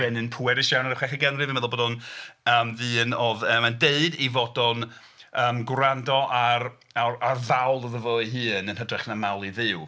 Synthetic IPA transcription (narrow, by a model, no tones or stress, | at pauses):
ɛnɨnpʰuɛɾɪʃjawnaɾχwɛχəɡɛnrɨvmɛðɔlboːdɔnəːmvɨːnɔðəmandeɨdivɔdɔn | əːmɡɾandɔʔaɾ | ararvawlˠəðəvɔɨɦɨːnənhɦədrɛχnamalˠiðɪw